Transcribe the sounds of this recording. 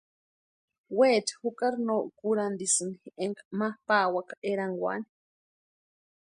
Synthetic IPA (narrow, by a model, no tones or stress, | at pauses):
weːt͡ʃḁhukaɾnoːʔkuɾand̪isɨnihiʔeŋkamahpaːwakḁʔeɾaŋɡwa̰ni̥